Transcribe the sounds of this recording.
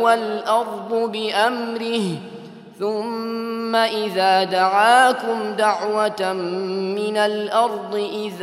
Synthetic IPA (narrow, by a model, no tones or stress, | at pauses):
walʔɑɾˤd̪ˤʊbɪʔamɾɪh | θʊmːaʔɪðaːd̪aʕaːkʊmd̪aʕwat̪ː | ɪnalʔɑɾˤd̪ˤɨʔɪð